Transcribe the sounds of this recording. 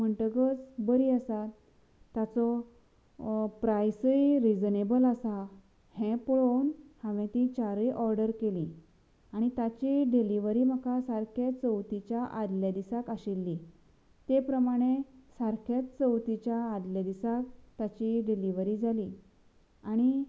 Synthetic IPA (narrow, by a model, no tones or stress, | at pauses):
m̤əɳʈəɡət͡sbəɾiːəsat̪ː | at͡sɔ | pɾajsəjɾid͡znebəlasa | hɛ̃pɔɭonhãʋẽt̪it͡ɕaɾiʔɔɾɖəɾkeli | aɽ̃it̪at͡ɕiɖiliʋəɾiːm̤əkasaɾkʰat͡səwt̪it͡ɕjaʔad̪ljad̪isakaɕilːi | t̪epɾəmaɽ̃esaɾkʰat̪t͡səwt̪it͡ɕjaːd̪ljad̪isak̚t̪at͡ɕiɖiliʋəɾid͡zʱali | aɽ̃i